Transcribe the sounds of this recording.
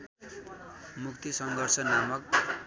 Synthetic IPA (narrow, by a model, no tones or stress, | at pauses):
mukt̪isʌŋɡʱʌrsʌnamʌk̚